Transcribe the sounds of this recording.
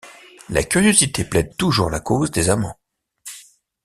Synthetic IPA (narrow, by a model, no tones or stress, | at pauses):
la̰kʲyʁjozit̪eplɛd̪̚t̪uʒuʁlakozd̪ezamɑ̰̃